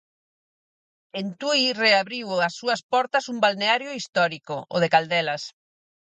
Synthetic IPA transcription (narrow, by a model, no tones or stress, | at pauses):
ent̪uireaβɾiwasːuɐspɔɾt̪ɐsumbalneaɾjʊist̪ɔɾikʊʔo̰ðekald̪ɛlɐs